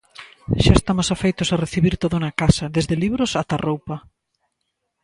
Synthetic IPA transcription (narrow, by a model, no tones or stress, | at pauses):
ʃaest̪amʊsafejt̪ʊsareθiβiɾt̪oðunɐkasɐðezðeliβɾʊsat̪arowpɐ